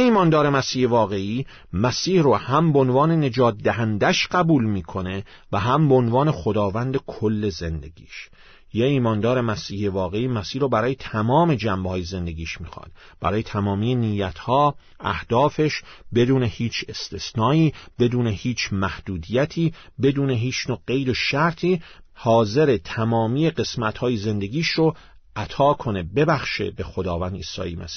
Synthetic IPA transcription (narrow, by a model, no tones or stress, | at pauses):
jeiːmɒːnd̪ɒːɾe̞mæsiːhevɒːɣe̞iː | mæsiːhrohæmbeonvɒːnene̞d͡ʒɒːt̪̚d̪æɦænd̪æʃɢæbuːlmiːkʰo̞ne̞ | væɦæmbeonvɒːne̞xod̪ɒːvænd̪ekʰolːe̞ze̞nd̪e̞̰ɡḭːʃ | jeiːmɒːnd̪ɒːɾe̞mæsiːhevɒːɣe̞iːmæsiːhɾoːbæɾɒːjet̪ʰæmɒːme̞d͡ʒæmbhɒːjeze̞nd̪e̞ɡiːʃmiːxɒ̰d̪̥ | bæ̰ɾɒːjet̪ʰæmɒːmiːjenijːæt̪ʰhɒː | ʔæhd̪̥ɒːfe̞ʃbe̞d̪uːnehiːt͡ʃʰe̞st̪ʰe̞snɒːiːb̥e̞d̪uːnehiːt͡ʃʰmæhd̪̥uːd̪ijæt̪ʰiːbe̞d̪uːne̞ɦiːt͡ʃnoːɢe̞jd̪oʃæɾt̪ʰiːhɒːze̞ɾe̞t̪ʰæmɒːmiːjeɢe̞smæt̪hɒːjeze̞nd̪eɡiːʃɾo | ʔæt̪ʰɒːkʰo̞nebe̞bæxʃḛbe̞xo̞d̪ɒːvænd̪ḭːsɒ̰ːjimæ̰si̥ː